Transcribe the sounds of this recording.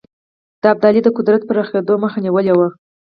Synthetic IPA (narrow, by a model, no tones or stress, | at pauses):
d̪̥əab̚d̪ɑlid̪əkʊd̪ɾat̪̚pəɾaxed̪oməxaniwəlewa